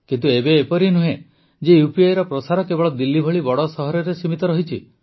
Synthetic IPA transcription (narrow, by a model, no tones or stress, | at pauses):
kint̪uebeːpɔɾinuɦẽ | d͡ʒejupiajɾɔpɾɔsaɾɔkebɔɭɔd̪ilːibʱɔɭibɔɽɔsɔɦɔɾɔɾesimit̪ɔɾɔɦit͡ʃʰḭ